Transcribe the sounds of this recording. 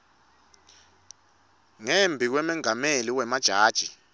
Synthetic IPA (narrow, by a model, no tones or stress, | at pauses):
ŋembʱik̬wɛmɛŋameliwɛmad̥ʒ̥ʱaːd̥ʒ̥ʱi